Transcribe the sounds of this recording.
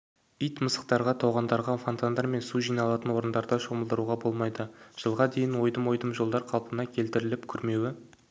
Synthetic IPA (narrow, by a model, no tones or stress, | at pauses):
ijt̪məsə̥q̚t̪ɑɾʁɑt̪ʰɑwʁɑnd̪ɑɾʁɑfont̪and̪ɑɾme̞nsuʒijnɑlˠɑt̪ənwo̞ɾənd̪ɑɾd̪əʃo̞məlˠd̪əɾuʁɑbo̞lˠmɑjd̪əʒ̥əlˠʁɑd̪e̞jɪnwo̞jd̪əmwo̞jd̪əmʒo̞lˠd̪ɑɾqʰɑlˠpənɑkʲʰe̞lt̪ɪɾɪlɪpkʲʰʏɾme̞wɪ